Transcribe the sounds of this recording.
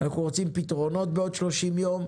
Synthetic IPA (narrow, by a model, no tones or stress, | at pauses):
naχnuʁot͡simpitʁo̞no̞t̪̚beo̞d̪ʃlo̞ʃimjo̞m